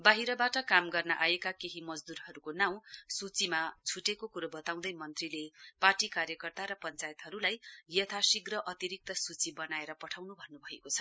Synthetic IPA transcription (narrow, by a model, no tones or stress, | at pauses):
baɦiɾʌbaʈʌkamɡʌrnʌʔajekakeɦimʌd͡zd̪uɾɦʌɾukonaw̃sut͡simad͡zʱuʈekokuɾʌbʌt̪aw̃d̪ʌjmʌnt̪rileparʈikarjʌkʌrt̪aɾʌpʌnt͡sajet̪ɦʌɾulajjʌt̪ʰasiɡrʌʔʌt̪iɾik̚t̪ʌsut͡sibʌnaeɾʌpʌʈʰawnubʱʌnːubʱʌekot͡sʰʌ̥